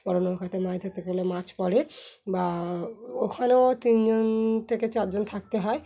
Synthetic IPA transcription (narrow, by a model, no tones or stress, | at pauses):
pɔɾonoɾkʰat̪ʰemajd̪ʱet̪ekolemat͡ɕpɔɾeba | okʰaneot̪ind͡ʑont̪ʰeket͡ɕaɾd͡ʑont̪ʰak̚t̪eɦɔe